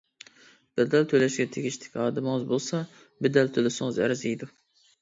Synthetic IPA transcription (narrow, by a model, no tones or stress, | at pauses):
b̥ɛd̪ɛlt̪ʰølɛʃɡʲɛt̪ʰeɡʲiʃt̪ʰɪ̥kʲhɑːd̪ɨmɨŋɨzbolˠsɑ | bɛd̪ɛlt̪ʰølɪsɪŋɨzæ̰ɾɪzijd̪u